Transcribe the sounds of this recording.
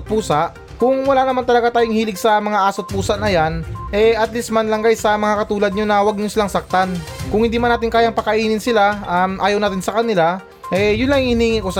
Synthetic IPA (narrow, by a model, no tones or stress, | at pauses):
t̪̚puːsaʔ | kʊŋwɐlaːnɐmant̪ɐlɐɡat̪aːjʊŋhiːlɪɡsɐmɐŋaʔaːsot̪̚puːsɐʔnɐjanʔɛʔɐt̪list̪̚mɐnlɐŋɡajsɐmɐŋakɐt̪uːlɐd̪̚ɲonɐwaɡ̚nʊnsɪlaŋsɐk̚t̪an | kʊŋhɪnd̪iːmanaːt̪̬ɪŋkaːjaŋpɐkɐʔiːnɪnsɪlaʔamʔaːjɐwnaːt̪ɪnsɐkɐnɪla | ʔɛjʊnlɐŋŋhɪniːŋikos